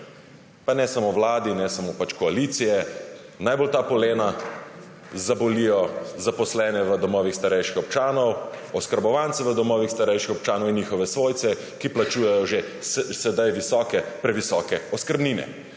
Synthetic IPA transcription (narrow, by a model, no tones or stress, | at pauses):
panɛsamoʋlaːd̪inɛsamopat͡ʃkɔaliːt̪sijɛnajbolt̪aːpɔleːna | zabɔlijɔzapɔslɛːnɛʋəd̪ɔmɔːʋixst̪aɾɛjʃixɔpt͡ʃaːnɔwɔskəɾbɔʋant̪sɛʋəd̪ɔmɔːʋixst̪aɾɛjʃixɔp̚t͡ʃaːnɔwinjixɔʋɛsʋoːjt̪sɛ | kiplat͡ʃuːjɛjɔʒe | sɛd̪ajʋisɔːkɛpɾɛʋisɔːkɛɔskəɾbniːnɛ̰